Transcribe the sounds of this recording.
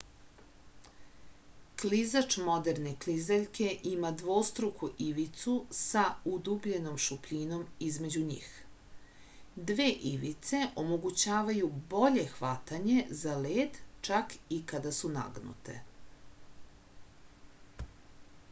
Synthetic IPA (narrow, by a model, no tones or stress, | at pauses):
klizat͡ʂmo̞d̪e̞ɾne̞klizeʎkʰe̞ʔimad̪ʋo̞st̪ɾukuʔiʋit̪susaud̪ubʎe̞no̞mʃupʎino̞mizme̞d͡ʑuɲḭːx | d̪ʋeːʔiʋit̪se̞ʔo̞mo̞ɡut͡ɕaːʋajubo̞ʎe̞xʋat̪aɲe̞zaleːd̪t͡ʃakikad̪asuna̰ɡnṵt̪e̞̰